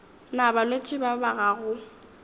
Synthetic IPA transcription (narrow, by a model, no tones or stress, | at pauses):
nabalot͡ʃʼɪbabaɣaɣʊ